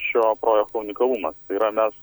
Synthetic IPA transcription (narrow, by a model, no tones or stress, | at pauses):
ʃʲoːpɾoːjɛkt̪oʊnʲɪkɐlˠumɐst̪ɐɪiːɾɐmʲɛs